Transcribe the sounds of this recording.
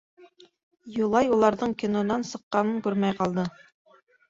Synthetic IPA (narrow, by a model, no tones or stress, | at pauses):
julˠɑjulˠɑɾðɤɴkʲinod̪ɑnsɤ̆qːɑnɤŋkʉɾmæjqɑlˠd̪ɤ